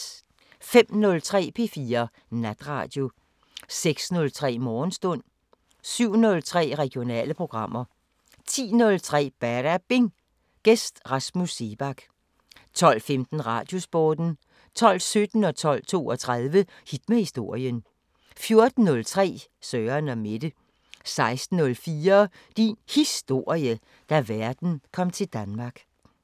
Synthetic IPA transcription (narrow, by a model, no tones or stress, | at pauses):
fem̰nɔ̽lt͡sʰʁɛ̰ːpʰe̝̰ːfiːɐ | næd̥ʁɑ̈ːd̥jo̝ | seɡ̥snɔ̽lt͡sʰʁɛ̰ːmɒːnsd̥ɔ̽n̰ | syʊ̰nɔ̽lt͡sʰʁɛ̰ːʁɛɡ̥jo̝nɛ̰ːləpʰʁo̝ɡ̥ʁɑ̈m̰ɐ | t͡sʰḭːnɔ̽lt͡sʰʁɛ̰ːb̥æɾ̥æb̥e̝ŋ | ɡ̥esd̥ʁɑ̈smuse̝b̥ɑ̈ɡ̥ | t͡sʰɒ̽l̰femd̥n̩ʁɑ̈ːd̥jo̝sb̥ɔːd̥n̩ | t͡sʰɒ̽l̰sød̥n̩ɒ̽t͡sʰɒ̽l̰t͡sʰo̝̰ːɒt͡sʰʁɑðˠʋə | hid̥mæhisd̥o̝ɐ̰jən | fjo̝ɐd̥n̩ːɔ̽lt͡sʰʁɛ̰ːsœːɐnɒme̝d̥ə | sɑ̈ɪsd̥n̩ːɔ̽lfiːɐ | d̥inhisd̥o̝ɐ̰iə | d̥æʋæɐd̥n̩kʰɒ̽m̰t͡sʰe̝ld̥ænmɑ̈ɡ̥